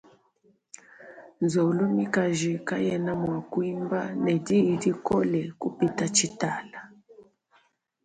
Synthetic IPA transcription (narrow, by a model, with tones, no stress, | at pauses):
nzɔ˨lɔ˦mi˦ka˨ʒi˨ka˦jɛ˦na˦mwa˨kwi˦mba˦nɛ˨di˦˨di˦kɔ˦lɛ˨ku˦pi˨ta˦t͡ʃi˦ta˨la˨